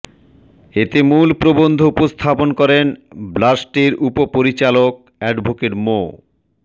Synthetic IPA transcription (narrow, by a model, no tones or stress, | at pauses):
et̪emulpɾobond̪ʱoupost̪ʰaponkɔɾenblasʈiɾupopoɾit͡ɕalok̚ɛɖbʱokeʈmo̰